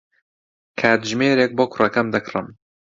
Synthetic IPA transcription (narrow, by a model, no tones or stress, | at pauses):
kʰaːt̪ʒmeːɾeːk̚boːkʰʊrɐkɐmd̪ɐkʰrɨm